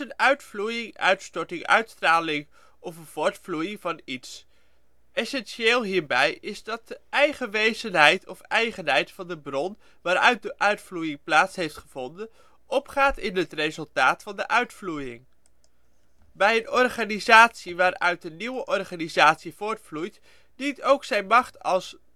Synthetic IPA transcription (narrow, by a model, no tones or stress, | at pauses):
ənœɥtflujɪŋœ̰ɥtstɔɹtɪŋœ̰ɥtstraːlɪŋ | ʔɔfəv̥ʊːɹtflujɪŋvɑnits | ɛsɛnʃeːlˠɦiːɹbɛjɪzdɑt̚dəʔɛjχəʋejzənɦɛjtʰɔfɛjχənɦɛjtfɑndəbrɔn | ʋaːɾœ̰ɥt̚dəʔœɥtflujɪŋplaːtsɦejftχəv̥ɔndən | ʔɔpχaːtɪnɦətrezɵlˠtaːtfɑndəʔœɥtflujɪŋ | bɛjənɔrχaːnizaːtsiʋaːɾœ̰ɥt̚dəniwəʔɔɹχaːnizaːtsiv̥ʊːɹtflujt | ditowksɛjnmɑχtɑlˠs